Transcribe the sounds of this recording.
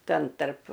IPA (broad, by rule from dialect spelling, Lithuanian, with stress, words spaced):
ˈtʲɛn tɐrp